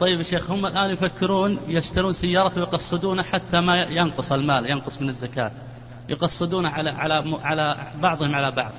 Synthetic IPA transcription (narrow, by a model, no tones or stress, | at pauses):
t̪ˤɑjːɪbaʃːeːxhʊmːalʔaːnjfakːɪɾuːnjɪʃt̪aɾuːnsajːɑːɾˤɑwɪjqɑsˤːɨd̪uːnaħat̪ːamajɑnqʊsˤɪlmaːljɑnqʊsˤmɪnɪzːakaːt̪ | jʊqɑsˤːɨd̪uːnaʕala̰ʕalamʕalabɑʕðˤhɪmʕalabɑ̰ʕðˤ